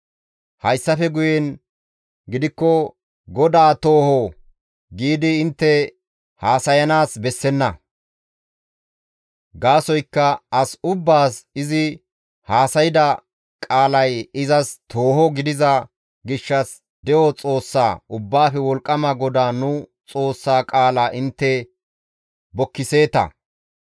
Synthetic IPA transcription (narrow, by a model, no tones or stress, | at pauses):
hɐjsːɐfɛɡʊjɛn | ɡɪd̪ɪkːɔ | ɡɔd̪aːt̪oːhɔ | ɡiːd̪ɪːnt̪ːɛ | haːsɐjɐnaːsbɛsːɛnːɐ | ɡaːsɔjkːɐɐsʊbːaːsɪzɪ | haːsɐjɪd̪ɐ | kʼaːlɐjɪzɐst̪ʰo̞ːhɔɡɪd̪ɪzɐ | ɡɪʃːɐs | d̪ɛʔɔt͡sʼo̞ːsːa̰ːʔʊbːaːfɛwɔlkʼːɐmɐɡɔd̪aːnʊ | t͡sʼo̞ːsːaːkʼaːlaʔɪnt̪ːɛ | bɔkːɪse̞ːt̪ɐ̰